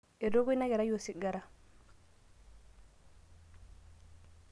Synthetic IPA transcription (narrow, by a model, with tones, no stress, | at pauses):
e˨do˦ɡo˦na˦ɡe˨ɾa˦jo˨si˦˨ɡa˨ɾa˦˨